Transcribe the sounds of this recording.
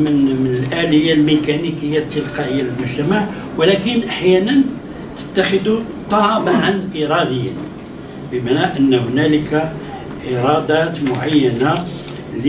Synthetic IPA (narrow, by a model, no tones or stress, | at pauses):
mənmənəlʔæləjːalmekænikəjːat̪ːəlqɑʔəjːaləlmʊʒt̪æmaʕ | wlækənʔaħjænən | t̪ə̥t̪ːaxəd̪u | t̪ˤːɑbəʕanʔiɾˤɑd̪əjːən | bəmaʕnæʔənːhʊnæləkæ | ʔiɾˤɑd̪æt̪mʊʕajːæna | l